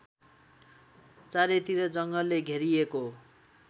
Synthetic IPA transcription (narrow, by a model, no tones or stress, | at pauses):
t͡saɾet̪iɾʌd͡zʌŋɡʌlːeɡʱeɾieko